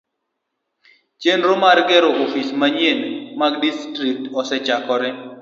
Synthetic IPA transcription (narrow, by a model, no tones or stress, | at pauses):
t͡ʃenɾomaɾɡɛɾoʔofismaɲjenmaɡdistɾik̚tɔsɛt͡ʃakɔɾɛ